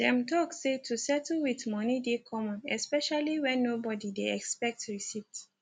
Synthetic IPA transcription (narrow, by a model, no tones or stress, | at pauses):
dɛ̃mtɔksetʰusɛtl̩witmɔnidekʰɔ̃mɔ̃nɛ̰spɛʃaliwɛ̃nːobɔdideɛkspɛk̚tɹisivt